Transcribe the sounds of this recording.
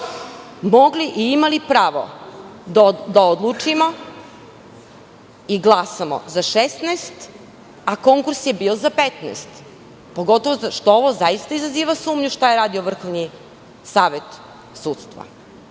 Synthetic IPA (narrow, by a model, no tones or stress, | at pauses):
mo̞ɡliʔiimalipɾaːʋo̰d̪d̪aod̪lˠut͡ʂimo | iɡlˠasamo̰zaʃest̪naːst̪ | ako̞ŋkuɾsjebiːo̞zapet̪nɛ̰st̪ | po̞ɡo̞t̪oʋoʃt̪ooʋozaist̪aizaziːʋasuːmɲuʃt̪ajeɾaːd̪ioʋr̩xoʋni | saːʋet̪ | suːt̪st̪ʋa̰